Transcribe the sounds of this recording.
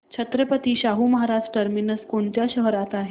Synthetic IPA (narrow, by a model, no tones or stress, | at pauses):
t͡ɕʰət̪ɾəpət̪iːɕaɦuməɦaɾasʈəɾminəskoɳt̪jaɕəɦɾat̪aɦe